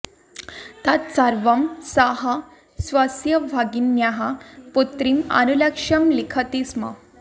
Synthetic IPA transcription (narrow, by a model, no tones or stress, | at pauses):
t̪at̪t͡saɾʋɐmsaɦa | sʋasjɐʋʱaɡinjaɦaput̪ɾima̰nulɐkʂɐmlikʰət̪isma̰